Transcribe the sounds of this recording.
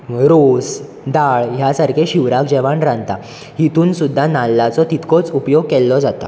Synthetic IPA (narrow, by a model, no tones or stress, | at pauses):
ɾos | d̪aɭjasaɾkʰeɕiʋɾakd͡ʑɛʋaɳɾãnt̪a | hit̪uːnsud̪ʱːanalːat͡sɔt̪it̪kɔt͡supjoɡ̚kɛlːɔd͡zat̪a̰